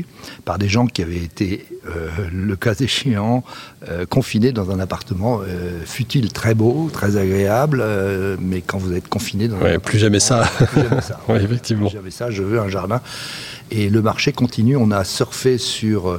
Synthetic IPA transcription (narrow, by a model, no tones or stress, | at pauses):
paʁd̪eʒɑ̃kʲiavɛet̪ʰeøləkazeʃeɑ̃økɔ̃fined̪ɑ̃zɛ̃napaʁt̪əmɑ̃øfyt̪ilt̪χɛbot̪χɛzaɡʁeablmɛkɑ̃vuzɛt̪kɔ̃fined̪ɑ̃zwɛ̰plyʒamɛsayaɛsawɛefɛk̚t̪ivm̃ʒamɛsaʒəvøɛ̃ʒaʁd̪ɛ̃ | eləmaʁʃekɔ̃t̪ʰinyɔ̃nasœʁfɛsyʁ